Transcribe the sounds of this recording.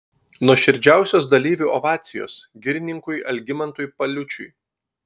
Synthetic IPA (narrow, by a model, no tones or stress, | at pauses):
nuɔʃʲɪɾʲd͡ʒʲæˑʊsʲoːsd̪ɐlʲiːʋʲuːʔɔʋɑːt̪sʲɪjo̰ːsɡʲɪɾʲɪnʲɪŋkʊɪʔɐ̰lʲɡʲɪmɐnt̪ujpɐlʲʊt͡ʃʲʊ̰j